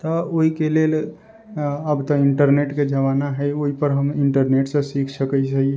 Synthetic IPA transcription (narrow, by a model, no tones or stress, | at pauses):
t̪ɔoɦikelel | əbt̪ɔiɳʈəɾneʈked͡ʒəʋanaɦɛjoipəɾɦəmiɳʈəɾneʈsẽsikʰsəkəəɦi